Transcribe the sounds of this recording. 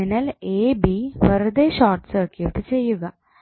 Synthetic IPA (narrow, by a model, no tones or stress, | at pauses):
inɐleːbiʋɐɾɐd̪eːɕaːrʈsɐrkjuʈːɨt͡ɕe̞jːuɣɐ